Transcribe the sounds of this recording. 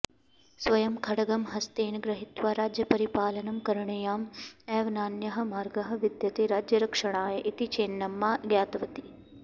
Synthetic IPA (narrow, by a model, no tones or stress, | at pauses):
sʋɐjɐmkʰɐɽɐɡɐmɦɐst̪eːnɡɾɐɦit̪ʋaːɾaːd͡ʒjɐpɐɾipaːlɐnɐmkɐɾɐɳɐjaːmeːʋnaːnjɐɦɐ̆maːɾɡɐɦɐ̆ʋid̪jɐt̪eɾaːd͡ʒjɐɾɐkʂɐɳaːjɐʔit̪it͡ʃeːnːɐmːaːɡjaːt̪ʋɐt̪i̥